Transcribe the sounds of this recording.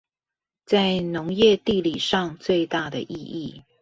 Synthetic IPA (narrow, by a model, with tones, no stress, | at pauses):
t͡sa˥˩ɪnʊ˧˦ŋjɛ˥˧t̪i˥˩li˨˩ʂɑ˥˧ŋt͡swe˥˧ɪt̪a˥˩d̪ə˩ʔi˥˧i˥˩